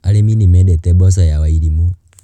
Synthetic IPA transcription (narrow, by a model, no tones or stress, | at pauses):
aleminimedɛtɛbɔs̬ajawaiɾimu